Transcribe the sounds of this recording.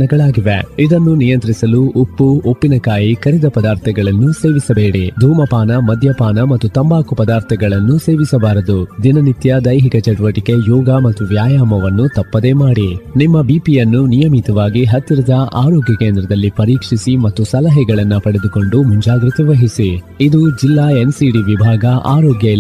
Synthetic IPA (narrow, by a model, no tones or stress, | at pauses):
nɐɡɐɭaːɡiʋḛid̪ɐnːunijɐnt̪ɾisɐluopːuopːinɐkaːjikɐɾid̪ɐpɐd̪aːɾt̪ʰɐɡɐɭɐnːuse̞ːʋisɐbeːɽid̪ʱuːmɐpaːnɐmɐd̪ʱjɐpaːnɐmɐt̪ːut̪ɐmbaːkupɐd̪aːɾt̪ʰɐɡɐɭɐnːuse̞ːʋisɐbaːɾɐd̪ud̪inɐnit̪jɐd̪ɐjɦikɐt͡ʃɛʈʋɐʈike̞jɔːɡɐmɐt̪ːuʋjaːjaːmɐʋɐnːut̪ɐpːɐd̪e̞ːmaːɽinimːɐbipijɐnːunijɐmit̪ɐʋaːɡiɦɐt̪ːiɾɐd̪ɐʔa̰ːɾoːɡjɐkeːnd̪ɾɐd̪ɐlːipɐɾiːkʂisimɐt̪ːusɐlɐɦɛɡɐɭɐnːɐpɐɽed̪uko̞ɳɖumuɲd͡ʒaːɡɾit̪ɐʋɐɦisi | id̪ud͡ʒilːaːensiɖiʋibʱaːɡɐʔa̰ːɾɔːɡjɐ